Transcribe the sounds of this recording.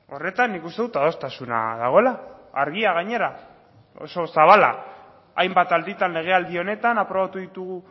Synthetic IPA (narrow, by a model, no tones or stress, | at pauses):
o̞re̞t̪anːikust̪e̞ðut̪að̞o̞st̪asuna̰ðaɣ̞o̞elaːɾɣiaɣaɲe̞ɾa | o̞̰so̞saβala̰ | ajmbat̪ald̪it̪ale̞ɣ̞e̞ald̪io̞ne̞t̪anapɾo̞βat̪uðit̪uɣ̞u